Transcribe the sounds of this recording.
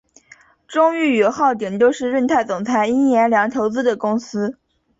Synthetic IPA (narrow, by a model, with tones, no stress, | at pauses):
ʈ͡ʂʊ˥ŋy˥˩y˨˩xɑ˥˩ʊt̪jɛ˨˩ŋt͡ɕ̪jo˥˧ʊʂɻ̩˥˧ɻə˥˧nt̪ʰa˥˩ɪt͡sʊ˨˩ŋt͡sʰa˧˥ɪi˥njɛ˧˥nljɑ˧˥ŋt̪ʰo˧˥ʊt͡sɹ̩˥d̪ə˨kʊ˥ŋsɹ̩˥